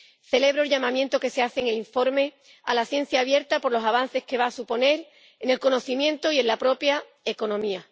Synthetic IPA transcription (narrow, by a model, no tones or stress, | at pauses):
θe̞le̞β̞ɾoelʎamãmjent̪o̞ke̞se̞aθeŋeliɱfo̞ɾme̞ | a̰laθje̞n̟θjaːβje̞ɾt̪apo̞ɾlo̞saβ̞an̟θe̞hke̞βaːsupo̞ne̞ɾ | ene̞lko̞no̞θimjẽ̞nt̪oie̞nlapɾo̞pja | e̞ko̞nõ̞mia